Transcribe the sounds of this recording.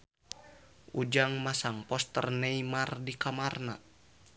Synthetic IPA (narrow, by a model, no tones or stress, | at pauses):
ʔud͡ʒaŋmasaŋpɔst̪ərnɛimardikamarna